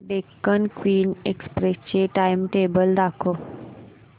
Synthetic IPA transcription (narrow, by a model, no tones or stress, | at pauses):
ɖekːənkwiːnekspɾest͡ɕeʈajmʈeːbəld̪akʰo